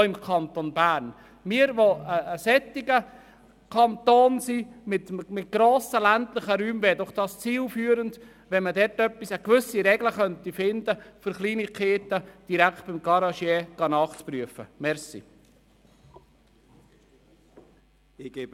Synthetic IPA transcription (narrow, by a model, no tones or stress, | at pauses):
ɪmkʰɑnt̪onbæːɾn | mɪəɾʋoəːsɛt̪ːɪɡə | kʰɑnt̪oːnsiːmɪtmɪt̚ɡ̥ɾoːsəlænt̪lɪχəɾyːmveːdɔχd̥ɑːst͡siːlfyːəɾənd | ʋɛnmədɛɾtœpːisəkʋʏsiɾɛɡləχœnt̪ifɪnd̪əfʏɾχliːnikʰeːt̪əd̥iɾækʰt̚b̥ɪmɡ̥ɑɾɑʃjɛɡ̥ɑnɑːχt͡spɾyəfəmɛɾsḭ